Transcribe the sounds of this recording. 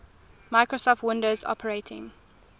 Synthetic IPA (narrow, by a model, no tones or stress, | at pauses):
maɪkɹosɔftwɪ̃ndoʊzɔ̰pʰəɹeɪtʰɪ̰̃ŋ